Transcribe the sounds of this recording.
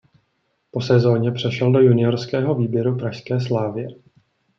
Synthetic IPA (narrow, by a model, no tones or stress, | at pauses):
po̞sɛzo̞ːɲɛpr̝̥ɛʃɛldo̞junɪjoɾskɛːɦo̞viːbjɛɾupɾaʃskɛːs̬laːvɪjɛ